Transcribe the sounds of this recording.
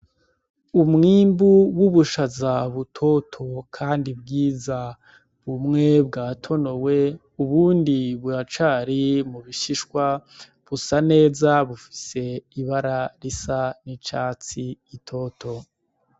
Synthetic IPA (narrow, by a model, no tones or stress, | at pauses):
umŋiːmbuwuβuʃazaβutʰo̞tʰo̞kʰaːndib̚ɡiːza | βumŋe̞b̚ɡaːtʰo̞no̞we̞ | uβuːndiβuɾat͡ʃaːɾimuβiʃiʃkwa | βusane̞ːzaβufi̥se̞iβaɾaɾisanit͡ʃaːt͡siːtʰo̞ːtʰo̞